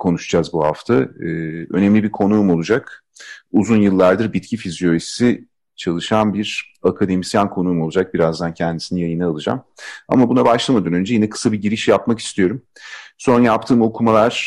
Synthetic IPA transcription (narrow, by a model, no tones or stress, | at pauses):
kʰo̞nuʃd͡ʒazbuɦa̰ft̪ʰaɯːø̞̰nemlʲibikʰo̞nuːmo̞lˠud͡ʒak | uzunjɯlˠːaɾd̪ɯɾbit̪cʰifizjo̞essi | t͡ʃʰalˠɯʃanbiɾ | akʰad̪e̞misjankʰo̞nuːmo̞lˠud͡ʒak̚biɾazd̪ancʰɛnd̪isinijajɯnaːlˠɯd͡ʒa̰ma̰mabunabaʃlˠamad̪anønd͡ʒɛjinɛkʰɯ̥sabiɟiɾiʃjapmaki̥st̪ʰijo̞ɾumso̞njap̚t̪ʰɯːmo̞kʰumalˠaɾ̥